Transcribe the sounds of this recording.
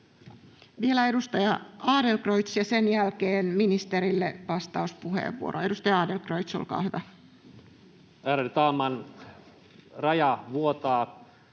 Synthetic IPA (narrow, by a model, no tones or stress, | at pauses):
ʋielæedust̪ɑjɑɑːdelkroit̪sjɑsenjælkeːnminist̪eɾilːeʋɑst̪ɑuspuhḛːʋːṵo̰ɾoe̞dust̪ɑjɑɑːdelkrojt̪so̰lkɑ̰ːhyʋæ | æːɾet̪ɑːmɑn | rɑjɑʋuot̪ɑː